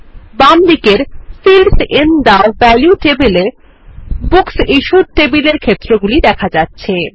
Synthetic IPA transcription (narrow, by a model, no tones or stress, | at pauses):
bamd̪ikeɾfilsend̪abɛljuʈebele | buksiʃuɾʈebileɾkʰet̪ːɾoɡulid̪ɛkʰad͡ʑatːɕʰe